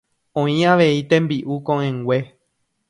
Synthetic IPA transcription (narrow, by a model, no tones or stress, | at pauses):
õĩaʋeit̪ẽ̞mbiʔukõʔẽŋɡʷe